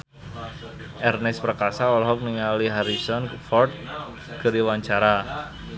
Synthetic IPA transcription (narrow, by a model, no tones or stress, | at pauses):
ʔɛrnɪspɾəkasaɔlɔɦɔk̚niŋaliɦaɾisɔnfɔrt̪̚ | kəɾiwaɲt͡ʃaɾa